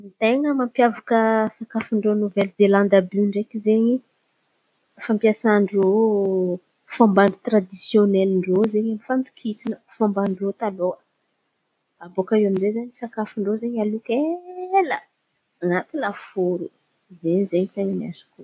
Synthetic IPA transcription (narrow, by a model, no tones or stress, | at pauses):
mit̪eŋəmampjavakəsakafiɳɖ͡ʐonovɛlzelãnd̪abiɳɖ͡ʐekizeɲi | fampjasaɳɖ͡ʐo | fambaɳɖ͡ʐut̪ɾad̪isjonɛliɳɖ͡ʐozeɲamifant̪u̥kʰisinəfambaɳɖ͡ʐot̪aloə | abokaewamizezaɲisakafiɳɖ͡ʐozeɲalukelə | anat̪ilafuɾu | zeɲizeɲit̪eŋənia̰si̥ku